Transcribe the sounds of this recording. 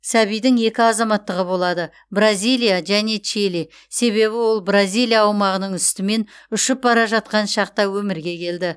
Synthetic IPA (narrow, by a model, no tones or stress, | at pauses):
sæβijd̪ɪŋe̞kʲɪɑzɑmɑt̪ːəʁəbo̞lˠɑd̪ə | brazʲijlʲˠijaʒæne̞t͡ʃili | se̞βe̞βɪwo̞lˠbrazijlˠijaːwmɑʁənəɴʏst̪ɪme̞nʏʃɪp̚bɑɾɑʒɑt̪̚qɑnʃɑq̚t̪ɑwɵmɪɾɡʲe̞kʲʰe̞ld̪ɪ